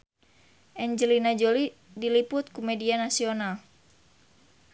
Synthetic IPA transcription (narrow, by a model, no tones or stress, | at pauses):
ʔɛɲd͡ʒəlinad͡ʒoli | dilipʊt̪̚kumedianasional